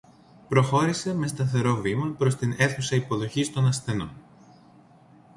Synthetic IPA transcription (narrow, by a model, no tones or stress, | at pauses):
pɾo̞xo̞ɾise̞me̞st̪ɐθe̞ɾo̞vimɐpɾo̞st̪ine̞θusɐipo̞ðo̞çist̪o̞nɐsθe̞no̞̰n